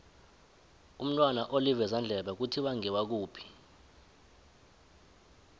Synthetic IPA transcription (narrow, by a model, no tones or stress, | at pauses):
um̩tʼwanaʔolivɛzand͡ɮʱɛɓak̬utʰiwaŋɛwak̬uːpʰi̥